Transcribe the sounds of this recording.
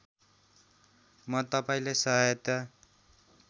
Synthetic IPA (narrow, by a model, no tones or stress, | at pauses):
mʌt̪ʌpaĩlajsʌɦajʌt̪ʌ